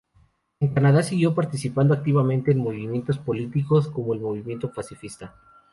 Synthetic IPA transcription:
eŋkanaðasiɣjo̞paɾt̪isipand̪oak̚t̪iβamẽ̞nt̪e̞ːnmo̞βimje̞nt̪ospo̞lit̪iko̞sko̞mo̞elmo̞β̞imje̞nt̪o̞pasifist̪a

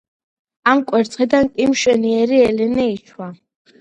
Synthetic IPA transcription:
amkʼwɛɾt̪sʼqʼid̪ankʼimʃɛniɛɾiɛlɛnɛit͡ʃʰwa

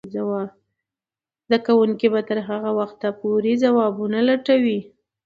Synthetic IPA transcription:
zawa | zd̪akawuŋkibat̪əɾɦaɣawaxt̪ːapuɾizawɑbunalaʈawi

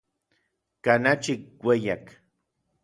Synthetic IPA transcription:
kanat͡ʃikwejak

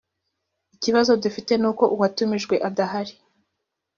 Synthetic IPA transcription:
iciβazo̞dufite̞nuːko̞ʔuwatumiʒɡwe̞ʔadaɦaɾi

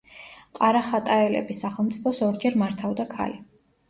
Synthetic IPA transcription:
qʼaɾaχat̪ʼaɛlɛ̰bisaχɛlˠmt̪sʼipʰɔsɔɾd͡ʒɛɾmaɾt̪ʰavd̪akʰa̰li

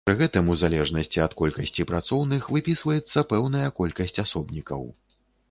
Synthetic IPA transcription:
pɾɨɣɛt̪ɨmuzalʲɛʐnɐsʲt͡sʲiɐt̪kɔlʲkɐsʲt͡sʲipɾat̪sɔwnɨxvɨpʲisvɐjɛt̪sːɐpɛwnɐjɐkɔlʲkɐsʲt͡sʲasɔbnʲikɐ̰w

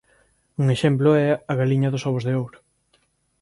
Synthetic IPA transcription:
uŋeʃemplʊɛɐɣaliɲɐðʊsɔβ̞ʊzðeowɾʊ̥

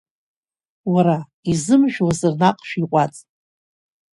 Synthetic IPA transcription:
waɾa | izɨmʒᶣwazɨrnaqʼʃᶣiqʷʼat͡sʼ

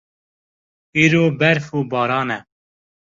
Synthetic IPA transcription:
iːɾoːbɛɾfuːbɑːɾɑːnɛ

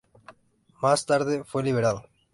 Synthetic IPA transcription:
mast̪aɾðefweliβ̞eɾal

